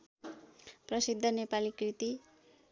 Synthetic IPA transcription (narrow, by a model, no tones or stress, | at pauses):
prʌsid̪ʱːʌnepalikrit̪i